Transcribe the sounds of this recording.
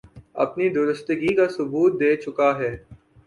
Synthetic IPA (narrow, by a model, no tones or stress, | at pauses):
ɐ̰pnid̪ʊɾəst̪əɡikasʊbuːt̪̚d̪eːt͡ʃʊkaɦɛː